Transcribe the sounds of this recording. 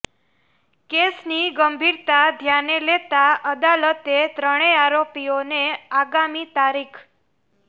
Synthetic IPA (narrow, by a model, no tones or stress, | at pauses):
kesniɡəmbʱiɾt̪ad̪ʱjanelet̪aʔəd̪alət̪et̪ɾəɽ̃eaɾopioneaɡamit̪aɾikʰ